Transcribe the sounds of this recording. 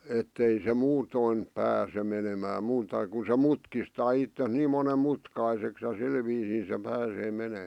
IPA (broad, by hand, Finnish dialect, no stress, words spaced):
etːei se muːtoin pæːse menemæː muːtɑ ku se mutkistɑː itːes niːm monem mutkɑiseks jɑ sil ʋiːsiː se pæːseː meneˑ